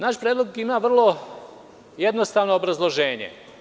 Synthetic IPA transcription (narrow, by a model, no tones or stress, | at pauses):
naʃpɾʲeːd̪lˠo̞ɡimaːʋr̩lˠo̞ | jed̪nost̪aːʋnoːbɾazlˠo̞ʒe̞ːɲḛ